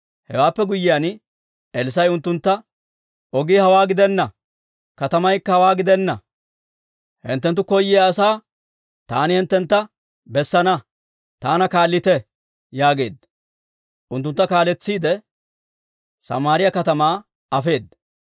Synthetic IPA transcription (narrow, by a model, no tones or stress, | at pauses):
hɛ̰waːpːɛɡʊjːɪjaːn | ɛlɪs̬ɐjʊnt̪ːʊnt̪ːɐ | ɔɡiːhɐwaːɡɪd̪ɛnːɐ | kɐt̪ɐmɐjkːɐhɐwaːɡɪd̪ɛnːɐ̰ | hɪ̰nt̪ːɛnt̪̬ːʊkɔjːɪjaːsaː | t̪aːnɪhɪnt̪ːɛnt̪ːɐ | bɛsːɐnɐ | t̪aːnɐkaːlːɪt̪ɛ | jaːɡe̞ːd̪̚ | ʔʊnt̪ːʊnt̪ːɐkaːlɛt͡sːiːd̪ɛ | sɐ̰maːɾɪjɐkɐt̪ɐmaː | ɐfe̞ːd̪̚